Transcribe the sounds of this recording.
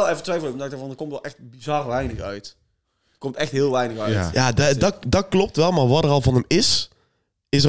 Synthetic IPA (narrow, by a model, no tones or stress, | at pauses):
ɛlˠɛvətʋɛjfl̩ˠəmndak̚daɹvɑndəkomtɛlˠɛxt̚bizɑrʋɛjnəxœ̰ɥt | əkomtɛxtɦɪːlˠʋɛjnəxœjaːddɑdɑt̚klɔp̚tʋɛlˠmaːɹʋɑtərɑlˠvɑnɦəmɪs | ɪsə